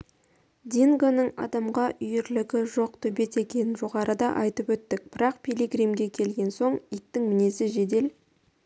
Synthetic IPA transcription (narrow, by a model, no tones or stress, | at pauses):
d̪ʲiŋɡonəɴɑ̰d̪ɑmʁɑʔʏjɪɾlɪɡʲɪʒo̞q̚t̪ʰʏbe̞t̪e̞kʲe̞nɪnʒo̞ʁɑɾəd̪ɑʔɑjt̪əpwɵt̪ːɪk̚b̥ɪɾɑqpʰʲileɡrimɡʲe̞kʲʰe̞lɡʲe̞nso̞ɴik̚t̪ɪŋmɪne̞sɪʒe̞d̪e̞l